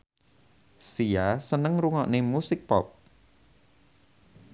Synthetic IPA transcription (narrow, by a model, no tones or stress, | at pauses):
sijasənəŋruŋɔʔnemusɪk̚pɔ̰p̚